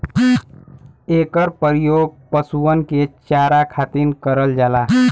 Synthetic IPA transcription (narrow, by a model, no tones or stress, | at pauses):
eːkəɾpəɾijoɡ̚pəsuənket͡ʃaːɾakʰaːt̪inkəɾəld͡ʒaːla